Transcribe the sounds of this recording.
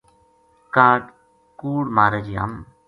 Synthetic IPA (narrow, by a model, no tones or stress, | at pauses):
kãːʈ | kuːɽmaːɾəd͡ʒiːɦə̰m